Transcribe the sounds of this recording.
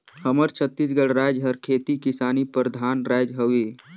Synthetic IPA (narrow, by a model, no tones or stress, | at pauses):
həməɾt͡ʃʰət̪ːis̬ɡəɽɾaːd͡ʒɦəɾkʰeːt̪ikɪsaːnipɾəd̪ʱaːnɾaːd͡ʒɦəʋeː